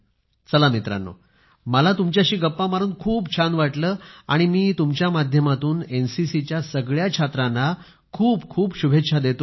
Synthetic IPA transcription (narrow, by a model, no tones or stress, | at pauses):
t͡səlamit̪ɾa̰nːo̰ | məlat̪umt͡ɕjaɕiːɡəpːamaɾuːnkʰuːbt͡ɕʰanʋaʈləːa̰ɽ̃imiːt̪umt͡ɕjamad̪ʱjəmat̪uːnensisit͡ɕjasəɡɭjakʰat̪ɾana | kʰuːbkʰuːbɕubʱetɕʰad̪et̪o